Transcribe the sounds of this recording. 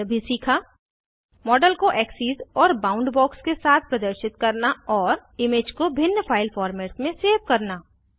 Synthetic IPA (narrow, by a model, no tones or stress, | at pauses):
bʱisiːkʰa | mɔːɖəlkoʔɛːksiːzɔːɾbãːʊ̃ɳɖbɔːkskesaːt̪̚ʰpɾɐd̪əɾʃɪt̪kɐɾnaɔːɾɪmeːd͡ʒkobʱɪnjəfaːɪlfʰɔːɾmeːʈsmẽseːʋkɐɾnaː